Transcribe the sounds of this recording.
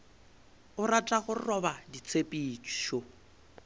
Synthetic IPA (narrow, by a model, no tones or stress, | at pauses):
ʊɾatʼaχʊrɔbadit͡sʰepʼit͡ʃi̥ʃo